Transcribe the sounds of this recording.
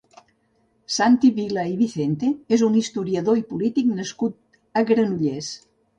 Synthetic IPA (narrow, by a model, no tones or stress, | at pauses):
sant̪iβilaiβiθent̪eezunist̪uɾiəðoipulit̪iknəskut̪̚ | əɣɾənuʎes